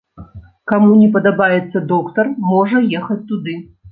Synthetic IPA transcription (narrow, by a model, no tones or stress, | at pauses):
kamunʲɛpɐd̪abajɛt̪sːɐd̪ɔkt̪ɐrmɔʐɐjexɐt͡sʲt̪ud̪ɨ